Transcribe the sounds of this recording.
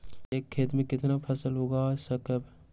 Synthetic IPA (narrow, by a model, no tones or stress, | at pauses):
eːkʰːeːt̪mẽkɪt̪napʰɐsəlɦoːɡaːsəkəb